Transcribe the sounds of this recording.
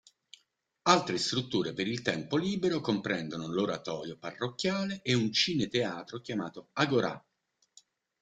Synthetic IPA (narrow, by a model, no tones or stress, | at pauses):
alt̪ɾest̪ɾut̪ːuːɾepeɾilt̪ɛmpoliːbeɾokompɾɛnd̪onoloɾat̪ɔːɾjoparːokːjaːleʔeunt͡ʃiːnet̪eaːt̪ɾok̟jama̰ːt̪oaɡoɾa̰